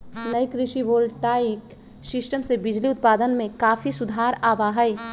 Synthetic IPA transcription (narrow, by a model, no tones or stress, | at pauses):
nɐikɾɪʃiʋoːlʈaːik | sɪsʈəmsebɪd͡ʒliʊt̪̚paːd̪ənmẽkaːfisʊd̪ʱaːɾaːʋaɦɐi